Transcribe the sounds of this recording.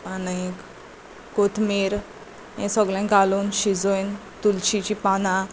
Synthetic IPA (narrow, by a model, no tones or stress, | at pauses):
anik | kot̪ʰmeɾ | jẽsɔɡlãɡaluːnɕid͡zojnt̪ult͡ɕit͡ɕipanã